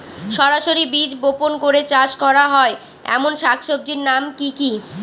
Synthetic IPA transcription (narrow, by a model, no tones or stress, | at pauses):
ʃɔɾaʃoɾibid͡ʑboponkoɾet͡ɕaʃkɔɾaɦɔe | ɛ̰monʃakʰʃob̚d͡ʑiɾnamkiki